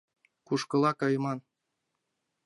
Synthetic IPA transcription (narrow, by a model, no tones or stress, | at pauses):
kuʃkɤ̆lɑkɤjmɑn